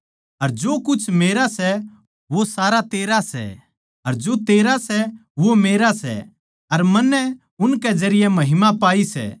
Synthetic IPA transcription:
ɐɾd͡ʒoːkʊt͡ʃʰmeːɾasɛ | ʋosaːɾat̪eːɾasɛ̰ | ɐɾd͡ʒoːt̪eːɾasɛʋomeːɾasɛ̰ | ɐɾmɐnːɛ | ʊnkɛd͡ʒɐɾɪjɛmɐɦɪmapaːisɛ̰ː

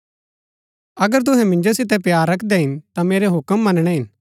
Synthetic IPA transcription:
ɐɡəɾt̪̬ʊɦɛ̃mɪ̃ɲd͡ʒosɪt̪ɛpjaːɾːɐkʰd̪ɛɦɪnt̪ameːɾeɦʊkəmːɐnɽ̃ɛɦɪn

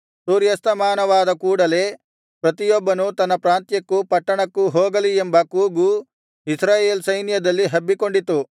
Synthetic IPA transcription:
suːɾjɐst̪ɐmaːnɐʋaːd̪ɐkuːɽɐle̞ː | pɾɐt̪ijɔbːɐnut̪ɐnːɐpɾaːnt̪jɐkːupɐʈːɐɳɐkːuɦoːɡɐliembɐkuːɡu | isɾaːje̞ːlsɐjnjɐd̪ɐlːiɦɐbːiko̞ɳɖit̪u

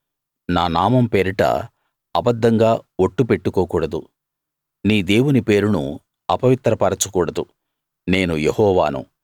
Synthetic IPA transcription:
naːnaːmɐmpe̞ːɾiʈɐ̰ | ɐbɐd̪ːɐŋɡaːoʈːupe̞ʈːukoːkuːɽɐd̪u | niːd̪eːwunipe̞ːɾunṵ | ɐpɐʋit̪ɾɐpɐɾɐt͡ʃukuːɽɐd̪u | ne̞ːnujehɔːʋaːnṵ

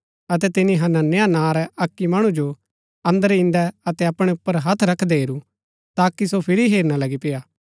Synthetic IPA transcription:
ɐt̪ɛt̪ɪnĩɦɐnɐnejanãːɾɛɐkːimɐɽ̃ũd͡ʒo | ɐ̃nd̪əɾɪ̃nd̪ɛɐt̪ɛɐpɽ̃ɛʊpːəɾɦɐt̪ʰɾɐkʰd̪ɛɦeːɾu | t̪aːkisopʰɪɾiɦeːɾñalɐɡipɪjaː

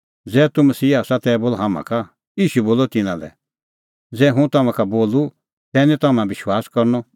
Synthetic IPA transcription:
d͡zɛːt̪umɐsiːaːsãt̪ɛːboːlɦamã̰ka | iːʃuboːlɔt̪ɪnãlɛ̰ | d͡zɛːɦũt̪ɐmãkaboːlu | t̪ɛːnĩt̪ɐmãbɪʃwaːskɔɾnɔ

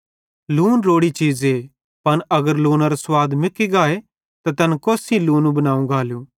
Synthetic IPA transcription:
luːnɾoːɽit͡ʃiːze | pɐnɐɡəɾluːnaɾoswaːd̪mɪkːiɡaːe | t̪at̪ɐnkoːsĩluːnũbɐnaːũɡʱaːljuː

